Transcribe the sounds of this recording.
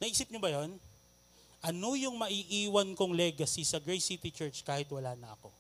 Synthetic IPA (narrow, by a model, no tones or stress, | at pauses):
nɐʔiːsɪp̚ɲobɐjon | ʔɐno̞jʊŋmɐʔiʔiːwɐnkoŋlɛɡɐsisɐɡɹɛjsit̪it͡ʃɛɹt͡ʃkaːhɪt̪wɐlaːnɐʔɐ̰ko̞